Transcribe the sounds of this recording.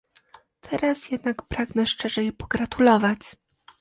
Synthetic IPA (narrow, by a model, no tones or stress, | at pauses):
t̪ʰɛɾasjɛd̪nakpɾaɡnɛʂt͡ʂɛʐɛjɛpɔ̥ɡɾat̪ulɔvat͡ɕ